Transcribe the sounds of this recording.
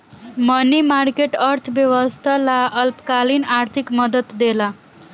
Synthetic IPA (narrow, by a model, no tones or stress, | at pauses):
mʌnimaɾkeʈʌɾt̪ʰbjeʋəst̪ʰalaʌlpkalinaɾt̪ʰikmʌd̪ət̪d̪ela